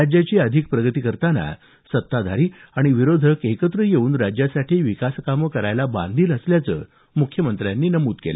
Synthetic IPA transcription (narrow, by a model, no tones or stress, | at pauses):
ad͡ʑjat͡ɕiːəd̪ʱik̚pɾəɡət̪ikəɾt̪ana̰ | sət̪ːad̪ʱaɾiːaɽ̃iʋiɾod̪ʱəkekət̪ɾəjeuːnɾad͡ʑjasaʈʰiːʋikaskaməkəɾajlabã̰nd̪ʱiːləsljat͡sə̰ː | mukʰjəmənt̪ɾjanːiːnəmuːt̪kel